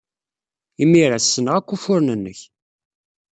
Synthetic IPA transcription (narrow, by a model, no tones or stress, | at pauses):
imːiɾasːənʁækʷːufʊɾnənːəç